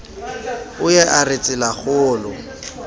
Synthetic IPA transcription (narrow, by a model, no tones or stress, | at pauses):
ʊjɛʔarɪt͡sʼɪlaχʊːlʊ